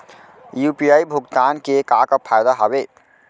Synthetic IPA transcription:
jupijajbʱuɡt̪ankekakəpʰajd̪aɦʌbe

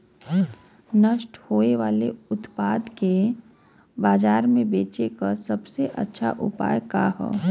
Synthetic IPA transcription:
nəʃʈhoːeʋaːleʊt̪paːd̪ke | baːd͡ʒaːɾmẽbeːt͡ʃekasɐbseʔɐ̰tːʃʰa̰ʔʊ̰pa̰ːjkaɦɛ̰ː

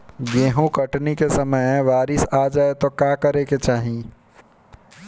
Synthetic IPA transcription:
ɡeːɦũkɐʈnikesɐməjɛ̃ʋaːɾɪsaːd͡ʒaːet̪okjaːkɐɾeket͡ʃaːɦĩ

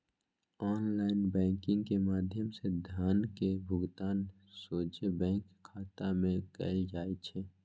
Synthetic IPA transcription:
ɔːnlaːɪnbɛ̃ːŋkɪ̃ŋɡkemaːd̪ʱjəmsed̪ʱjaːnkebʱʊɡt̪aːn | soːt͡ʃebɛ̃ːŋkʰːaːt̪amẽkə̰ːld͡ʒaːet͡ʃʰɛː

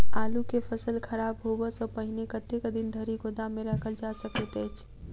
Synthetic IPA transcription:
alukepʰəsəlkʰəɾabɦobəsɔpəɦinekət̪ekəd̪ind̪ʱəɾiɡod̪ameɾəkʰəld͡ʒasəkət̪əjt͡ʃʰ

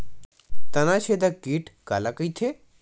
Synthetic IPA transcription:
t̪ɐnat͡ʃʰed̪akiːʈkalakəjt̪ʰe

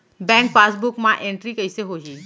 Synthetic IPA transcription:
bɛ̃ːŋk̚paːsbʊkmãʔẽɳʈɾikɐɪseɦoːɦiː

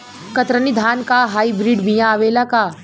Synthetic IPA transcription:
kɐt̪ɾənid̪ʱaːnkaɦaːibɾiːɖbijãːʋeːlakaː

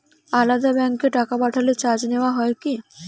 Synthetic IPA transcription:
alad̪abɛŋkeʈakabaʈʰalet͡ɕad͡ʑneoaɦɔeki

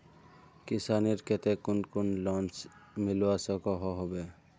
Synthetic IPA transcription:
kɪsaːniɾket̪ekʊnkʊnlɔ̃ːnt͡ʃmɪlwasəkɔɦoɦobe

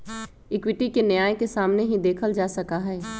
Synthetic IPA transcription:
ɪkwɪʈikenjaːjkesaːmneɦĩd̪eːkʰəld͡ʒaːsɐkaɦɛː

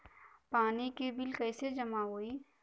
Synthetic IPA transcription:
paːnikibɪlkɛːsed͡ʒɐmaɦoːiː

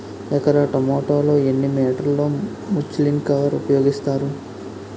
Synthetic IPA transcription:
ɛkɐɾɐʈɐmoːʈoːlo̞ːenːimɛːʈɐɾloː | mut͡ʃlimkɐʋɐɾupɐjo̞ːɡist̪aːɾu

